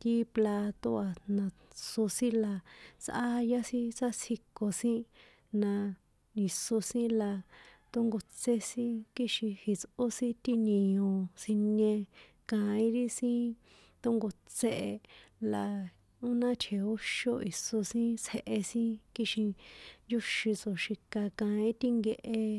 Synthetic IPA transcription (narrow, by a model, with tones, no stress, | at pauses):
t̪i˦pla˧t̪o˦a˧nã˧ | so˧sĩ˦la˧sʔa˦ja˦sĩ˦t͡sa˦sʰi˧ko˨sĩ˦ | nã˧ | ĩ˨so˧sĩ˦la˧t̪o˦ŋɡo˧t͡se˦sĩ˦ki˦ʃĩ˧hi˨t͡so˦sĩ˦t̪i˦nĩ˧õ˧sĩ˧nẽ˧ | kã˧ĩ˦ɾi˦sĩ˦ | t̪o˦ŋɡo˧t͡se˦˧ʔe˧la˨ | u˦nã˦t̪ʰe˨o˦ʃo˦i˨so˧sĩ˦t͡sʰe˧ʔe˧sĩ˦ki˦ʃĩ˧nju˦ʃi˧t͡so˨ʃi˧ka˧kã˧ĩ˦t̪i˦ŋɡe˧ʔe˧